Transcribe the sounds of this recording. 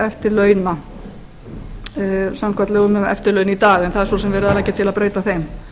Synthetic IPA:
ɛft̪ɪɾlœːɥna | samkʰat̪lɛɣʏmʏmɛ̰ft̪ɪɾlœːɥnit̪aːɣɛnθaðɛɾsosɛmvɛːɾʏðalacːɪt̪ʰɪlaðpɾeːjt̪aθejm

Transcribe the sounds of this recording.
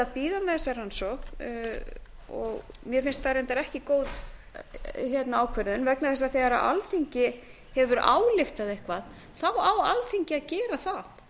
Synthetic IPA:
aðpiːðamɛθɛsːaɾansɔhk | ɔ̰ɣmjɛɾ̥fɪnst̪θaɾejnt̪aɾɛhcɪkoːwð | çjɛt̪naaːwkʰvɛɾðʏnvɛknaθɛs̬ːaðθɛɣaɾa̰ʔa̰lθiɲcɪ | hɛvʏɾa̰ːwlɪxt̪aðehkvað | θawawalθiɲcɪaðcɛːɾaθaθ

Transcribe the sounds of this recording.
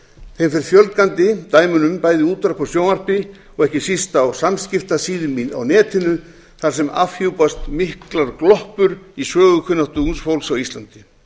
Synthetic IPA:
θejmfɪɾɪɾfjœlt̪̚kant̪ɪt̪aːjmʏnʏmpaːjðɪuːt̪ɾapɔsjoːwnar̥pɪ | ɔɣɛhcɪsist̪awsamscɪft̪asiːðʏma̰wnɛːt̪ʰɪnʏ | θaɾ̥sɛma̰fhowpast̪mɪhklaɾklɔhpʏɾisœːɣʏkʰʏnat̪uunsfowlsawist̪lant̪ɪ̥

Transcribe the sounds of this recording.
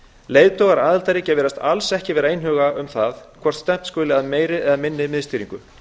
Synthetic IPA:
leːjðt̪ɔːɣaɾaːðɪlt̪ajɾɪcɛːvɪɾast̪alsɛhcɪvɛːɾaejnɦœːɣaʏmθaðkʰvɔɾ̥t̪st̪ɛm̥t̪skœːlɪaðmeːjɾɪɛɣaðmɪnːɪmɪðst̪iːɾiŋkʏ

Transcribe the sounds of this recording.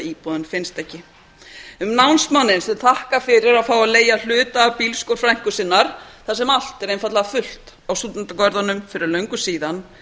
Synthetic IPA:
iːpɔðʏnfɪnst̪ɛhcɪ | ʏmnawnsmanːɪnsɛnt̪ʰahkafɪɾɪɾaðfaːwaleːjal̥ʏːt̪aːpiːlskowɾ̥fɾajŋ̥kʏsɪnːaɾ̥θasɛmal̥t̪ɛɾejnfat̪laafʏl̥t̪ | awsut̪nʏnt̪akɔɾðanʏmfɪɾɪɾlœɥŋkʏsiːðan

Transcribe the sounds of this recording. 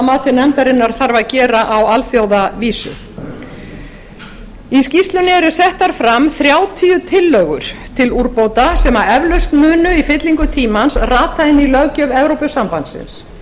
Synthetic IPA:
maːt̪ɪnɛmt̪aɾɪnːaɾ̥θaɾvaðcɛːɾaʔawalfjowðaviːsʏ̰ | iscist̪lʏnɪɛɾʏsɛht̪aɾ̥fɾamθɾjaːwt̪ʰiːʏt̪ʰɪlːœːɣʏ̰ɾ̥t̪ʰɪluɾpoːwt̪asɛːmaɛvlœst̪mʏːnʏifɪt̪liŋkʏt̪ʰiːmansraːt̪ajɪnilœɣcœvɛvɾowpʏsampant̪sɪ̰ns

